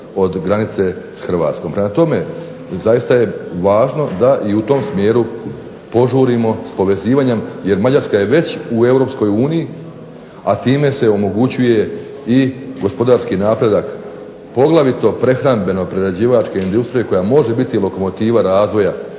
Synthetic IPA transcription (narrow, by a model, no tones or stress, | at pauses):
o̞d̪ɡɾanit̪se̞sxrɾ̩ʋa̰ːt̪sko̞mpɾe̞mat̪o̞me̞ | zajist̪aje̞ʋaːʒno̞d̪aʔiut̪o̞msmje̞ːɾu | po̞ʒuːɾimo̞spo̞ʋe̞ziːʋaɲemje̞ɾmad͡ʑaɾskaje̞ʋe̞t͡ɕue̞wɾo̞psko̞juːniji | at̪iːme̞se̞o̞mo̞ɡut͡ɕuje̞ | iɡo̞spo̞d̪aːɾskinaːpɾe̞d̪ak | po̞ɡlˠaʋit̪o̞pɾe̞xɾambe̞no̞pɾeɾed͡ʑiːʋat͡ʃke̞ind̪ust̪ɾijeko̞jamo̞ʒe̞bit̪ilo̞ko̞mo̞t̪iːʋaɾaːzʋo̞ja